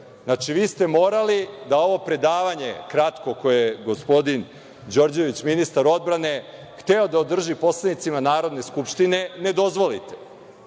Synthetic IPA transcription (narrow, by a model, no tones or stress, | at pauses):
znat͡ʂiʋiːst̪e̞mo̞ːɾalid̪ao̞ʋo̞pɾe̞d̪aːʋaɲe̞̰kɾat̪ko̞kojeɡospo̞d̪in | d͡ʑo̞ɾd͡ʑe̞ʋit͡ɕminist̪aɾo̞d̪̚bɾane̞ | xt̪eo̞d̪aod̪r̩ʒipo̞slˠadnit̪simanaːɾo̞d̪ne̞skupʃt̪ine̞ne̞d̪o̞zʋo̞lḭt̪e̥